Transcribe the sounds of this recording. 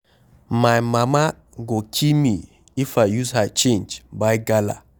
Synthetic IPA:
majmama | ɡokʰimi | ifajjuzhat͡ʃẽnd͡ʒbajɡala̰

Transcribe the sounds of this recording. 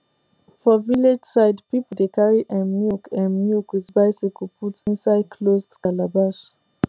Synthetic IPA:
fɔviled͡ʒsaɪdpipodekaɹiʔãmjukʰãnmjukwitbaɪsikupʰutĩnsaɪd̚kʰlosdkalabaʃ

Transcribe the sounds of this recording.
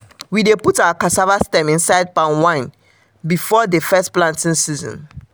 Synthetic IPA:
wideputawakasavastɛ̃mĩnsaɪd̚pãnwãɪ̃n | bifɔdefɛsplãntĩŋsizɔ̰̃n

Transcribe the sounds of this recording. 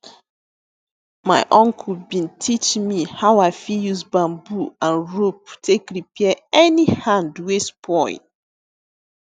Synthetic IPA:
maɪʔɔ̃ŋkʰubĩntʰit͡ʃmihaʊaɪfijuzbãmbuãnɹop̚tʰekɾipiɛɛnihãndwespʰɔ̃ɪ̰̃nt

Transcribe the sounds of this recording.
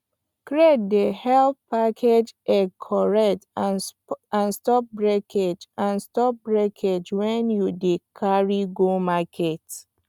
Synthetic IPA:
kɹet̚dehɛlppakʰed͡ʒɛkʰɔɹɛt | ãnstɔp̚bɹɛkʰed͡ʒãnstɔp̚bɹɛkʰed͡ʒwɛ̃njudekʰaɹiɡomakʰɛt

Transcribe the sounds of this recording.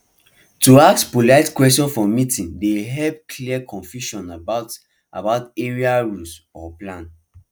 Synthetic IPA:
tuak̚spulaɪtkwɛstjɔ̃nfɔmitĩndeɦɛlp̚kʰliəkʰɔ̃nfjuʃɔ̃nabaʊt | ʔa̰baʊteɹiaɹusɔplãn

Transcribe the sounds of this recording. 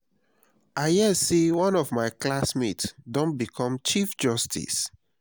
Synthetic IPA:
ajɛsewɔ̃nɔvmaɪklasmitsdõnbikʰɔ̃mt͡ʃifd͡ʒɔstʰḭs

